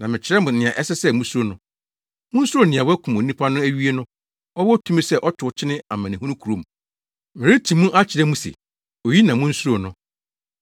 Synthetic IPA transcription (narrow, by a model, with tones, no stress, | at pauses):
nã˨mɪ̃˨t͡ɕʰɪ˨ɾɛ˦mʊ̃˨nɪ̃˨ã˨ʔɛ˦sɛ˦sɛ˦mũ˦su˦o˦nʊ̃˦ | mʊ̃˦n̩˦su˦ɾo˦˨nɪ̃˨ã˨wɔ˦kʰũ˨mõ˨˦ĩ˦pʰa˦nʊ̃˦æ˦ɥi˦e˦nʊ̃˦ | ɔ˦wɔ˦tʰũ˦mĩ˦sɛ˦ʔɔ˦tʰʊ˨t͡ɕʰɪ˦nɪ̃˦a˨mã˨nɪ̃˨hũ˦nũ˦kʰu˨ɾo˨m˨ | mɪ̃˨ɾɪ˦tʰĩ˨mũ˦ʔa˦t͡ɕʰɪ˨ɾɛ˦mũ˦sḛ˨ | o˨ji˦nã˨mʊ̃˦n̩˦su˦ɾo˨nʊ̃˦